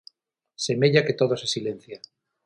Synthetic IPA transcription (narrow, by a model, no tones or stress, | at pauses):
se̞me̞ʎaket̪oðosesilẽnθja